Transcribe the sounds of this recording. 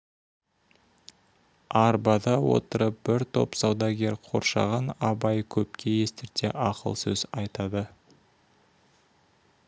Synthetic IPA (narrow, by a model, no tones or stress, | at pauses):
ɑɾbɑd̪ɑwo̞̰t̪əɾəp̚bɪɾt̪ʰo̞̰psɑwd̪ɑɡʲe̞ɾqʰo̞̰ɾʃɑ̰ʁɑnɑbɑjkʲʰɵpkʲe̞je̞st̪ɪɾt̪eʔɑqə̰lˠsɵ̰zɑjt̪ɑd̪ə